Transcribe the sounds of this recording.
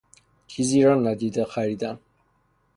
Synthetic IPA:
kʰiziɾanad̪id̪aχaɾid̪an

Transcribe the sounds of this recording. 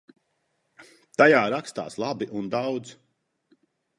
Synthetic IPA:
t̪ajaːɾakst̪a̰ːslˠabiʔund̪awd̪z

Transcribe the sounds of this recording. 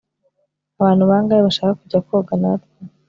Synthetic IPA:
aβaːn̥huβaːŋɡaːiβaʃaːkakuɟakobɡanatjo

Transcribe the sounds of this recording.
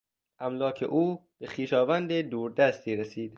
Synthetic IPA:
ʔæmlɒːcʰe̞̰ʔuːbexiːʃɒːvænd̪ed̪uːɾd̪æst̪iːɾesiːd̪̥

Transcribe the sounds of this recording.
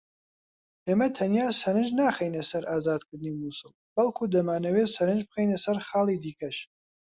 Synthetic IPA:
ʔeːmɐt̪ʰɐnjaːsɐɾɨʒnaːχejnesɐɾaːzaːd̪kʰɨɾd̪ɨniːmuːsɨlˠbɐlˠkʰuːd̪ɐmaːnɐweːsɐɾɨnd͡ʒbɨxejnesɐɾχaːlˠid̪iːkʰɐʃ

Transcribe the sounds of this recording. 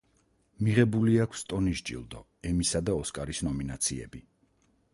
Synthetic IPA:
miʁɛbuliakʰst̪ʼɔniʃd͡ʒʼḭlˠd̪ɔ | ɛmisad̪aɔskʼaɾisnɔminat̪sʰiɛ̰bi

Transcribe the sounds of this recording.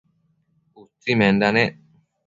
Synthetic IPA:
ut̪imenɖane

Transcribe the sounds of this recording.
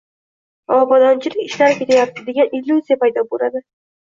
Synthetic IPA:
ɒbɒd̪ɒnt͡ʃʰɪlɪkʲɪʃlaɾkʲe̞t̪ʰajat̪ʰːɪd̪e̞ɡʲanilʲːuzijapajd̪ɒbolad̪ɪ

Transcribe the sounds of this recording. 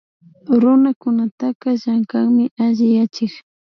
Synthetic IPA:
ɾʊnakʊnat̪aqaʒaŋkaŋmɪʔaʒɪjat͡ʃɪx

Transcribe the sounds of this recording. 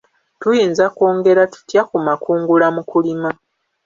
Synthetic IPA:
tujiːnzakoːŋɡe̞ɾatu̥tjakumakuːŋɡulamukulima

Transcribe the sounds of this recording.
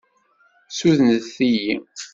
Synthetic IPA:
suðnəθːiji

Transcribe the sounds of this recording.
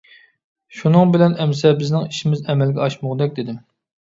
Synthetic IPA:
ʃunɨŋbɪlɛnɛms̬ɛbɪznɪŋiʃimɪzɛmɛlɡʲɛɑʃmʊʁd̪ɛk̚ʲd̪ɪd̪ɪm

